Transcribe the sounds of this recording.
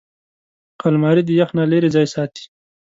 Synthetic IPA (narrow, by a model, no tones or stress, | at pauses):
qalmɑːɾid̪əjaxnaleɾezɑːjesɑːt̪i̥